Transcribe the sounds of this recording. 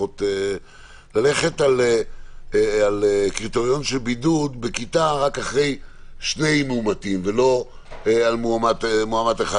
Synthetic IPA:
ot̪e | lale̞χe̞tale | alekʁit̪oʁjonʃelbidud̪bekit̪aʁakaχʁe̞j | ʃne̞jmeumatimvelo̞ | ealmuamat̪moamat̪eχa

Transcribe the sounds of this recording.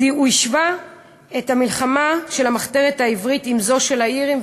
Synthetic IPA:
uiʃva | ethamilχamaʃe̞lhamaχteʁetaivʁitimzo̞ʃe̞laiʁim

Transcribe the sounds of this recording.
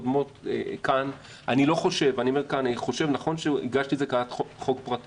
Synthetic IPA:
dmo̞tekan | ʔanilo̞χo̞ʃe̞vanio̞me̞ʁkananiχo̞ʃe̞vnaχo̞nʃeḭɡaʃtiezekaat̪oχo̞kpʁati

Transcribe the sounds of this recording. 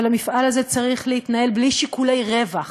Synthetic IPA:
lamifʔalaze̞t͡saʁiχleit̪naje̞lbliʃikule̞jʁe̞vaχ

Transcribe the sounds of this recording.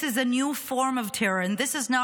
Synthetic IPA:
ɨzɨnjufɔɹmʌv̥tʰɪɹɨ̃nðɪsɨznə

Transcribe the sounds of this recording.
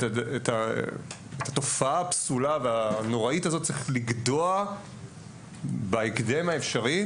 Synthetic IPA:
eta | etʰato̞faapsulaveano̞ʁaitazot̚t͡seχliɡdoa | baekdemaefʃaʁi

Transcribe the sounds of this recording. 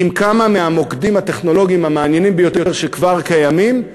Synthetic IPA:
imkamameamo̞kd̪imhat̪e̞χno̞lo̞ɡiimhamaːnjenimbejo̞t̪oeʁʃekvaʁkajamim

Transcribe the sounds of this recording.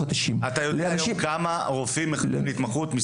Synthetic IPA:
ad̪ɐʃimat̪ajod̪ajmkamaʁofimːeleit̪maχut̪mi

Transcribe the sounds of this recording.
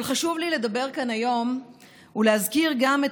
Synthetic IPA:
lχaʃuvlile̞d̪abe̞ʁkanajo̞m | ulehazkiʁɡamet

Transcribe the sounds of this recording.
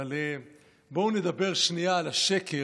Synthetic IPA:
ale | bouned̪abe̞ʁʃniaːlaʃe̞kʰe

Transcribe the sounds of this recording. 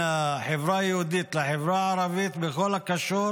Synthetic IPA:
aħevɾajehud̪it̪laħevɾaaɾavit̪bexo̞lakaʃu

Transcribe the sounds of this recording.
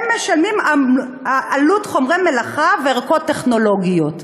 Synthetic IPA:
mːeʃanima | aʔalutχo̞mʁemelaχaveaʁkotːeχno̞lo̞ɡijot

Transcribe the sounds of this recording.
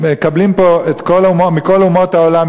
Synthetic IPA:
ekablimpoet̪kolumomiko̞lumo̞thaolam

